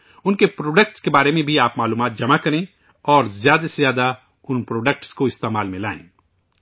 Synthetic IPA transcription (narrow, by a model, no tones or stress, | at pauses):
ʊnkepɾoːɖək̚ʈskebaːɾemẽbʱiaːpmaːluːmaːt̪̚d͡ʒɐmakɐɾẽ | ɔːɾzjaːd̪asezjaːd̪a | ʊnpɾoːɖək̚ʈskoɪst̪eːmaːlmẽla̰ːḛ̃ː